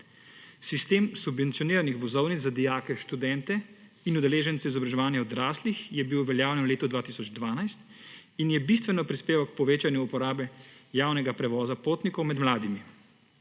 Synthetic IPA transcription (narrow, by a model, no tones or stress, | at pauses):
sist̪eːmsubʋɛnt̪ijɔniːɾanixʋɔzɔwnit͡s̪zad̪ijaːkɛʃt̪ud̪ɛnt̪ɛ | inud̪ɛleːʒɛnt̪sɛizɔbɾaʒɛʋaːnjɛɔd̪ɾaːslixjɛbiwʋɛljaːwljɛnwleːt̪ud̪ʋaːt̪isɔd͡ʒd̪ʋaːnajst̪ | injɛbist̪ʋɛnɔpɾispeːʋawk̚pɔʋeːt͡ʃanjuːpɔɾaːbɛjaːwnɛɡapɾɛʋɔːzapoːt̪nikɔwmɛd̪mlaːd̪imi